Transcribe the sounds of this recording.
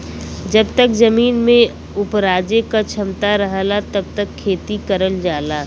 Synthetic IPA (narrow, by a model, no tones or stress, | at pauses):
d͡ʒɐbt̪ək̚zɐmiːnmẽ | ʊpɾaːd͡ʒekat͡ʃʰɐmt̪aɾəɦlat̪ɐb̚t̪əkʰːeːt̪ikəɾəld͡ʒaːlaː